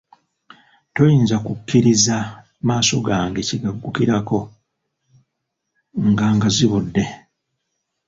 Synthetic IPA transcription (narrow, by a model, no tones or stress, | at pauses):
to̞jiːnzakukːiɾiza | maːso̞ɡaːŋɡe̞ciɡaɡːukiɾako̞ | ŋɡaŋɡaziβudːe̞